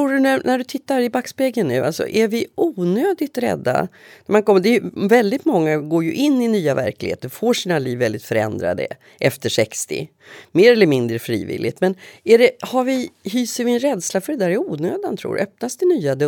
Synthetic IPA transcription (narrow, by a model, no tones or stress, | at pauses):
t̪uːɖɵnænæɖɵt̪ʰɪt̪ːaɾɪbakspeɡənːʉ̟ːʔa̰lsɔ̰ʔæɾvɪʔuːnøːd̪ɪt̪ɾɛ̰d̪ːa̰næɾmankʰɔmːəd̪ɛːjɵvɛld̪ɪt̪mɔŋːaɡoːɾjɵʔɪnːɪnyːavæ̰ɾklɪɡhḛːt̪əɾfoːʂiːnaliːvːɛld̪ɪt̪fœɾɛ̰nd̪ɾa̰d̪ə̰ | ʔɛft̪əʂɛkst̪ɪ̰ | meːɾɛlːəɾmɪnd̪ɾəfɾḭːvɪ̰lːɪ̰t̪mɛnæɖɛhaɾvɪhyːsəɾvɪɛnɾɛd̪slafœɖɛd̪æːɾɛuːnøːd̪ant̪ʰɾṵːɾ̰œp̚nasd̪ɪnyːad̪